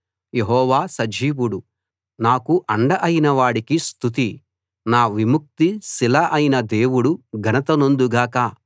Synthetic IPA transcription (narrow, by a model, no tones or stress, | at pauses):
je̞ɦɔːʋaːsɐd͡ʒiːwuɽu | naːkuʔɐɳɖɐʔɐjinɐʋaːɽikist̪ut̪̬i | naːʋimuk̚t̪isilɐʔɐjinɐd̪e̞ːwuɽuɡʱɐnɐt̪ɐnond̪uɡaːkɐ